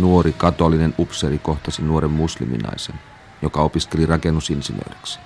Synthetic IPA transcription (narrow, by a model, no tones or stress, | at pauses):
nuoɾikɑt̪olːinenupseɾiko̞ht̪ɑsinuoɾemːuslḭmḭnɑ̰jsen | jokɑopiske̞lirɑkenːusinsinø̰ydeksi̥